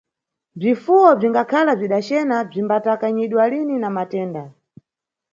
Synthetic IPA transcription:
b͡ʐifuwɔb͡ʐiŋɡakʰalab͡ʐiɗat͡ʃɛnab͡ʐimbatakaɲiɗwalininamatɛːnda

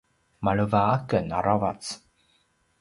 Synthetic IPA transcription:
maɭəvaakəna̰ɾavat͡s

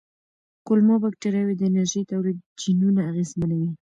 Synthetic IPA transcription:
kʊlmobak̚ʈeɾawed̪əɪnaɾʒəjt̪awlid̪̚d͡ʒinunaːɣezmanawi

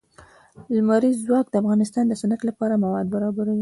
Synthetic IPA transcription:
lmaɾizwɑk̚d̪əafɣɑnɪst̪ɑnd̪əsʊnəklapɑɾamawɑd̪̚baɾɑbaɾawi

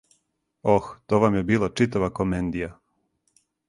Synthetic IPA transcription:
oxt̪oʋamjebiːlˠat͡ʂit̪aʋakomend̪ija

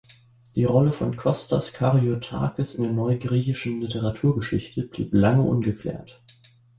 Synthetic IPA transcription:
d̥iːʁɔləfɔnkʰɔstaskʰaʁiotʰa̰ːkəsɪndeːɐnɔʏɡʁiːçɪʃn̩lɪtʰəʁatʰuːɐɡəʃɪçtʰəb̥lḭːplaŋəʔʊnɡəkʰl̥ɛ̰ːɐt

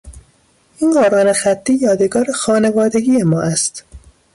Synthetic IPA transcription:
ʔiːnɢoːɾɑːnexæt̪ʰːiːjɒːd̪eɡɒːɾexɒːnevɒːd̪e̞ɡiːjemɒːʔæst̪

